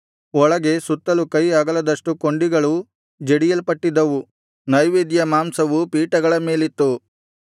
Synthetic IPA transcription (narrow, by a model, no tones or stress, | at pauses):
ɔɭɐɡe̞sut̪ːɐlukɐjaːɡɐlɐd̪ɐʂʈukoɳɖiɡɐɭu | d͡ʒeɽijɐlpɐʈːid̪ːɐʋu | nɐjʋeːd̪jɐmaːmsɐʋupiːʈɐɡɐɭɐme̞ːlit̪ːu